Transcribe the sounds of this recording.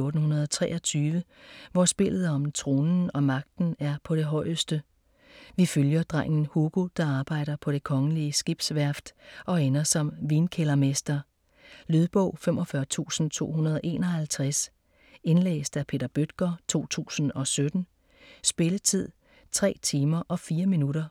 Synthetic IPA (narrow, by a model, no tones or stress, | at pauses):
oːd̥n̩hunɐðˠɒt͡sʰʁɛ̰ːɒt͡sʰyːʋəʋɒsb̥e̝l̰ð̩ˠɒmnt͡sʰʁo̝ːnn̩ɒ̽mɑ̈ɡ̥̚d̥n̩æɐpʰɒ̽ɾ̥e̝ɦɒ̽ɪ̰əsd̥ə | ʋiføljɐd̥ʁɑŋ̰n̩hoɡ̥ud̥ɑ̈ɑ̈ːb̥ɑ̈ɪ̰ɾ̥ɐpʰɒ̽ɾ̥e̝kʰɒ̽ŋəliəsɡ̥ib̥sʋæɐ̰fd̥ɒ̽enɐsɒ̽mʋiːnkʰelɐmesd̥ɐ | lyðˠb̥ɔ̽ʊ̰femʔɒ̽fɶɐt͡sʰṵːsn̩t͡sʰo̝̰ːhunɐð̞ˠɒʔe̝̰ːnɒ̽hælt͡sʰʁas | e̝nlḛːsd̥æpʰe̝̰ːd̥ɐb̥ød̥ɡ̥ɐt͡sʰo̝̰ːt͡sʰṵːsn̩ɒ̽sød̥n̩ | sb̥e̝lət͡sʰið̞̰ˠ | t͡sʰʁɛ̰ːt͡sʰiːmɐʔɒ̽fiːɐminuɾɐ